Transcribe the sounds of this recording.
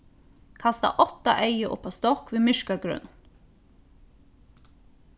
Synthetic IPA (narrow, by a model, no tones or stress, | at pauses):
kʰast̪a̰ʔɔt̪a̰ʔeɪjəʔʊ̰pːast̪ɔkʋiːmɪʃkaɡɾʏ̰n